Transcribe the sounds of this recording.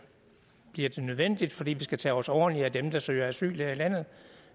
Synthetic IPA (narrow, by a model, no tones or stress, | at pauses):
b̥liɐd̥e̝nøð̞ˠʋen̰d̥id̥fɒ̽d̥ḭːʋisɡ̥æt͡sʰɛ̰ɒsɒːnliæd̥emd̥ɑ̈sø̰ːɐæsy̰ːleilæn̰ð̩ˠ